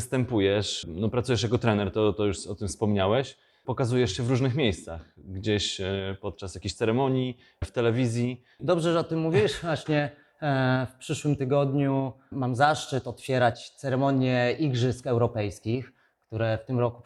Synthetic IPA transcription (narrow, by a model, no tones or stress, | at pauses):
st̪ɛmpujɛʂnɔpɾat̪sujɛʂjakɔt̪ɾɛnɛɾt̪ɔt̪ɔjuʂɔt̪ɘmfspɔmɲawɛɕ | pɔkazujɛʂɕɛvɾuʐnɘxmʲjejst̪saxɡd͡ʑeɕpɔt̪t͡ʂasjakʲeɕt̪sɛɾɛmɔɲi | ft̪ɛlɛvʲizʲji | d̪ɔbʐɛʐɛɔt̪ɘmːuvʲiwʂvwaɕɲɛ | fpʂɘʂwɘmt̪ɘɡɔd̪ɲumamzaʂt͡ʂɘt̪ɔt̪fʲjɛɾat͡ɕt̪sɛɾɛmɔɲjɛiɡʐɘskɛwɾɔpɛjskʲix | kt̪uɾɛft̪ɘmɾɔku